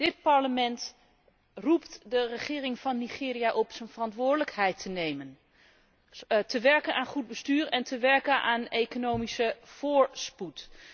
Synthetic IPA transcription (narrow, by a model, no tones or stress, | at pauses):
d̥ɪt̚pɑɹləmɛnt | ruptdərəχɪːrɪŋvɑnːiχɪːrijaʔɔpsənvərɑntʋʊːɹdələkhɛjtʰənejmən | təʋɛɹkənʔaːnχud̚bəstyːɹɛntʰəʋɛɹkənʔaːnejkonowmisəv̥ʊːɹsput